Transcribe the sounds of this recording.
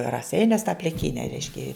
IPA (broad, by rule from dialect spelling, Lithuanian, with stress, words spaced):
rɐˈsʲɛɪnʲuɔs tɑː pʲlʲɪˈkʲiːnʲɛ ˈrʲɛɪʃʲkʲɛ